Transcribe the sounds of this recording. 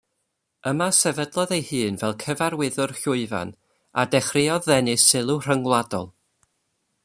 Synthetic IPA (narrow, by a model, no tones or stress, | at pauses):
əmasɛvədlˠɔðejhɨːnvɛlˠkʰəvaɾwɪðʊrɬʊɨva̰n | a̰dɛχrɪɔðɛnɨsɪlˠur̥əŋlˠadɔ̰lˠ